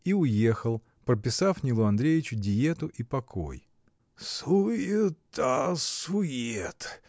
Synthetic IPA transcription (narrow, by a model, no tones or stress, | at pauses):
iʊje̞xəlˠ | pɾəpʲɪsafnʲilˠʊɐnd̪ɾʲejʲɪt͡ɕʊdʲɪjet̪ʊʔipɐkʰo̰j | suet̪asʊjet̪